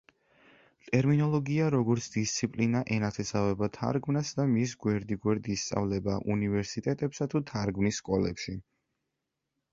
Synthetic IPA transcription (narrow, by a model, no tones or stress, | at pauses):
t̪ʼɛɾminɔlˠɔɡiaɾɔɡɔɾt̪sʰd̪ist̪sʰipʼlinaʔɛnat̪ʰɛsavɛbat̪ʰa̰ɾɡmnasd̪amis̬ɡwɛɾd̪iɡwɛɾd̪ist̪sʼa̰vlɛbaʔunivɛɾsit̪ʼɛt̪ʼɛpsat̪ʰut̪ʰaɾɡmnisːkʼɔlɛ̰pʃi